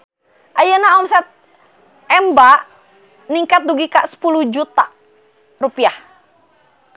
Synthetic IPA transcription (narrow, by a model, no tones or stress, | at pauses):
ʔajənaɔmsɛt̪̚ | ɛmbaʔ | niŋkat̪̚duɡikaʔsə̥puluhd͡ʒut̪a | rupiah